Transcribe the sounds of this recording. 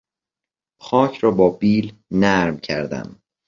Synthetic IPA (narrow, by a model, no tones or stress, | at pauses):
xɒːcʰɾɒːbɒːbiːlnæɾmcʰæɾd̪æ̰m